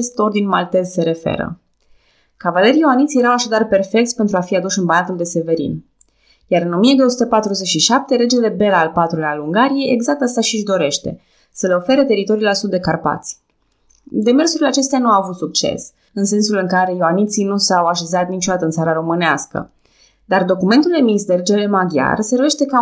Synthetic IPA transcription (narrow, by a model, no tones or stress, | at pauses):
est̪o̞rd̪inmalt̪e̞zse̞ɾe̞fe̞̰ɾə̰ | kavale̞ɾjoanit̪sijeɾawaʃad̪arpe̞rfe̞kt̪sʲpent̪ɾuafiad̪uʃɨnbanat̪uld̪e̞se̞ve̞ɾḭn | jaɾɨno̞mijed̪o̞wosut̪epat̪ɾuzet͡ʃʃiʃap̚t̪e̞ɾe̞d͡ʒele̞be̞laːlpat̪ɾulealuŋɡaɾije̞jeɡzak̚t̪ast̪aʃiʒd̪o̞ɾe̞ʃt̪e̞̰ | səle̞o̞fe̞ɾet̪e̞ɾit̪o̞ɾiulasud̪ːe̞karpa̰t̪sʲ | d̪e̞me̞rsuɾilat͡ʃe̞s̬t̪eanuaavut̪suk̚t͡ʃe̞̰s | ɨnse̞nsulɨŋkaɾe̞joanit̪sinusawaʃe̞zat̪nit͡ʃo̞d̪at̪əɨnt̪saɾaɾo̞mɨneaskə̰ | d̪ard̪o̞kument̪uld̪e̞minsd̪e̞ɾe̞d͡ʒele̞mad̪ja̰rse̞rve̞ʃt̪e̞ka